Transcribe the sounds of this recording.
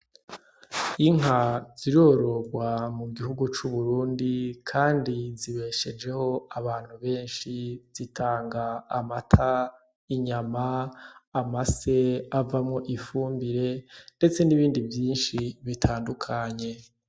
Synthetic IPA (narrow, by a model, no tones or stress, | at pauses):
iŋ̥ɦaz̥iɾo̞ɾo̞ɡwamuɡihuɡut͡ʃuβuɾuːndikʰaːndiziβe̞ːʃe̞d͡ʒe̞ho̞aβaːn̥huβe̞ːnʃiz̥itʰaːŋɡaːmatʰa | iɲamaː | mase̞avamŋo̞ʔifuːmbiɾe̞nde̞t͡se̞niβiːndivjiːnʃiβitʰaːndukʰaɲe̞